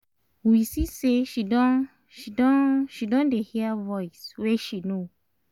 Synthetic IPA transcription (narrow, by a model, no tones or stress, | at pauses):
wisiseʃidɔ̃ | ʃidɔ̃ʃidɔ̃ndehivɔjswɛʃino